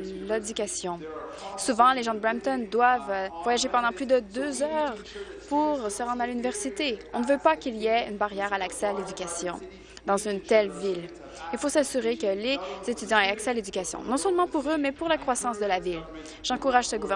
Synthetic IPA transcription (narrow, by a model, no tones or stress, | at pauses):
lad̪ykʲasjɔ̃suvɑ̃leʒɑ̃d̪əbʁɛmt̪ɔnd̪wavvwajaʒepɑ̃d̪ɑ̃plyd̪əd̪øzœʁ | puʁsəʁɑ̃d̪ʁalynivɛʁsit̪eɔ̃nəvøpakʲiliɛynbaʁjɛʁalaksɛaled̪ykʲasjɔ̰̃ | d̪ɑ̃zynt̪ɛlvil | ilfosasyʁekəlez̥et̪yd̪jɑ̃ɛaksɛaled̪ykʲasjɔ̰̃nɔ̃sœlmɑ̃puʁømɛpuʁlakχwasɑ̃sd̪əlavil | ʒ̥ɑ̃kuʁaʒsəɡuvɛ